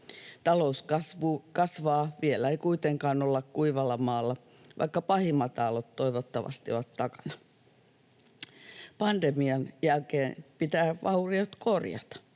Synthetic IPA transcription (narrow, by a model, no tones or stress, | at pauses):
t̪ɑlouskɑsʋukɑsʋɑːʋielæeikuit̪eŋkɑːnolːɑkkuiʋɑlːɑmɑːlːɑ | ʋʔɑ̰ikːɑpɑhimɑt̪ɑlot̪toiʋot̪ːɑʋɑ̰st̪ioʋɑt̪tɑkɑ̥nɑ̥ | pɑnd̪̥emiɑnjælkeːnpit̪æːʋɑuriot̪korjɑ̰t̪ɑ̥